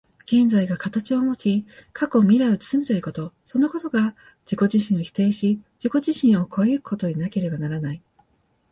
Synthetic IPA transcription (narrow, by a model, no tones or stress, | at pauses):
ɡ̥ẽ̞nd͡zaiɡakat̪at͡ɕio̞mo̞t͡ɕikʰako̞mʲiɾaɯt͡sɨ̥sɨmʲit̪oiko̞t̪o̞so̞no̞ko̞t̪o̞ɡa | d͡ʑ̥iko̞ʑiɕĩɰ̃o̞çʲi̥t̪e̞ːɕid͡ʑiko̞ʑiɕĩɰ̃o̞kʰo̞jɯkɯ̟̥ko̞t̪oɲ̟inake̞ɾe̞banaɾanai